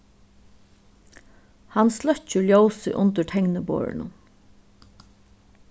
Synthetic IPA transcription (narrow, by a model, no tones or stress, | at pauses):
hanslœt͡ʃːʏljowsɪ̰ʔʊnt̪əʈʰɛŋnəbo̰ːɹɪ̰nʊ̰n